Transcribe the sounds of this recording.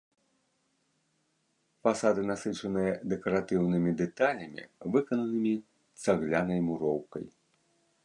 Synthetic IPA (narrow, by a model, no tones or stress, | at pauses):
fasad̪ɨnasɨt͡ʂɐnɨjɐd̪ɛkɐɾat̪ɨwnɨmʲid̪ɛt̪alʲɐmʲḭvɨkɐnɐnɨmʲi | t̪saɣlʲanɐjmuɾɔwkɐ̰j